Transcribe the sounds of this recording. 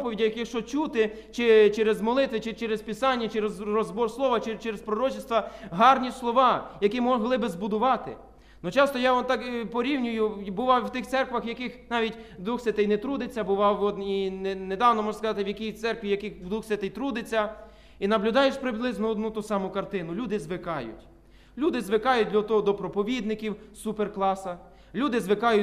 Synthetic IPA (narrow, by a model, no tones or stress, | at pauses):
pɔʋʲidʲɐjɐkɪʃɔt͡ʃut̪ɪ | t͡ʃɪt͡ʃɛɾezmɔlˠɪt̪ʋɪt͡ʃɪt͡ʃɛɾespʲɪsɑnʲːɐt͡ʃɛɾezrɔzbɔrslˠɔʋɐt͡ʃet͡ʃɛɾespɾɔɾɔt͡ʃɪst̪ʋɐɦɑrnʲislˠɔʋɑjɐkʲimɔɦlˠɪbɪzbʊd̪ʊʋɑt̪ɪ | nɔt͡ʃɑst̪ɔjɑɔnt̪ɑkpɔɾʲiwnʲʊjʊbʊʋɑwwt̪ɪxt̪sɛrkʋɐxjɐkɪxnɑʋʲitʲd̪ʋuxsʲɐt̪ɪjnɛt̪ɾud̪et͡sʲːɐbʊʋɑwɔd̪ninned̪ɑwnɔmɔʒʐnɐskɐzɑt̪ɪwjɐkʲijt̪sɛrkʋʲijɐkɪxd̪ʋuxsʲɐt̪ɪjt̪ɾud̪ɪt͡sʲːɐ | inɐblʲʊd̪ɑjeʃpɾɪblˠɪznɔɔd̪nut̪usɑmʊkɐrt̪ɪnʊlʲud̪ɪzʋɪkɑjʊ̰tʲ | lʲud̪ɪzʋɪkɑjʊd̪ʲlʲɐt̪ɔɦɔd̪ɔpɾɔpɔʋʲid̪nɪkʲiwsuperklˠɑsɐ | lʲud̪ɪzʋɪkɑjʊ